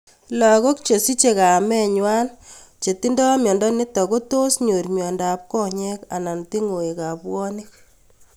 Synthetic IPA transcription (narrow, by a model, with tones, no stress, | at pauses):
la˨ɣo˦k̚t͡ʃe˨si˦t͡ʃe˨ka˨mɛ˦ɲwa˦n | t͡ʃe˨ti˦ndɔ˦mjɔ˨ndɔ˦nɪ˦tɔ˨ko˦to˦sɲo˨ɾmjɔ˨nda˨p̚kɔ˦ɲɛ˦ka̰˨na˨nti˦ŋo˨e˨ka˨pwɔ˦ni˦k̚